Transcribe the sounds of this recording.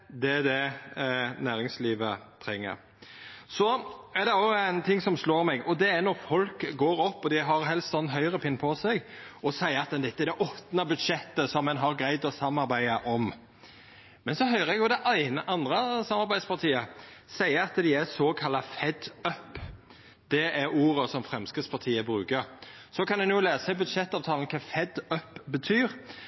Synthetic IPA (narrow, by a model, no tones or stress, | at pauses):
d̪ɛæd̪ɛ | næːɾɪŋsliːʋət̪ʰɾɛŋːə̰ɾ | sɔæɾd̪ɛɑsʊæɪnt̪ʰɪŋːsɔmsloːɾmɛɡɔd̪ɛæɾnɔɾfɔlkɡoːɾɔpːɔd̪ɪɦɑɾɦɛlst̪sɔnːnɦœʏɾəpʰɪnːpʰɔsɛɡɔsæɪəɑt̪d̪ɛnd̪ɪt̪ːəd̪ɛʔɔt̪nɑbʉd̪ʃɛt̪ːəsɔmːɛnɦɑɾɡɾæɪd̪ɔsɑmːɑɾbæɪəʔɔm | mɛnsɔɦœʏʁəɛɡjʊd̪ɛʔæɪnəʔɑnd̪ɾəsɑmɑɾbæɪd̪spɑɾt̪ʰiːəsæɪəɑt̪d̪ɪæsokʰɑlːɑfɛd̪œp | d̪̥ɛʔæɾuːɾəsɔmfɾɛmskəspʰɑt̪ʰiːəbɾʉːkəɾ | sɔkʰɑnd̪ɛnjʊːleːsɛbʉd̪ʂɛt̪ːɑːʋt̪ʰɑːln̩kʰɑːfɛd̪œpbət̪ʰyːɾ